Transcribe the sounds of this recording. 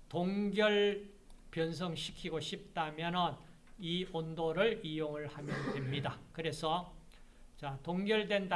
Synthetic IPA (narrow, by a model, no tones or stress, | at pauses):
toŋɡjʌɭ | pjʌns̬ʰʌŋɕʰi̥kʰiɡoɕʰip̚t͈amjʌnɯn | iondoɾɯɭijoŋɯɭhamjʌndwe̞mɲidakɯɾe̞sʰʌ | t͡ɕatoŋɡjʌɭdwe̞nda